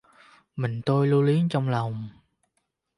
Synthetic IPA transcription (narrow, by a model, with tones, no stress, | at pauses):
mï˨˩ŋ̟t̪o˧jlu˧li˨˦ənt͡ɕɔ˧wŋ͡mla˨˩wŋ͡m